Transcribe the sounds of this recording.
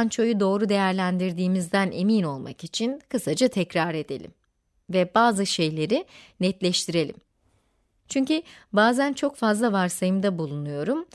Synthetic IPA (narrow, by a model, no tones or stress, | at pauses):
nt͡ʃʰo̞jud̪o̞ːɾud̪e̞jæɾlʲænd̪iɾd̪iːmizd̪ænʔe̞̰mino̞lˠma̰kit͡ʃʰinkʰɯsad͡ʒat̪ʰɛcɾaɾe̞d̪e̞̰lʲḭm | vɛbaːzɯʃe̞jlʲe̞ɾinɛt̪lʲɛʃt̪ʰiɾe̞lʲḭm | t͡ʃʰyɲcybaːzænt͡ʃʰo̞kfazlˠavaɾsajɯmd̪abulˠunujo̞ɾum